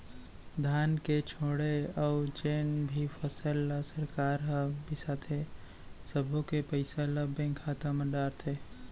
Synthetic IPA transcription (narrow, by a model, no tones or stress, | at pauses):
d̪ʱaːnket͡ʃʰoːɽeɔːt͡ʃeːnbʱipʰəsəlːasəɾkaːɾɦə̃bɪsat̪ʰe | səbʱõkepəɪseləbẽŋkʰaːt̪aməɖaːɾt̪ʰeː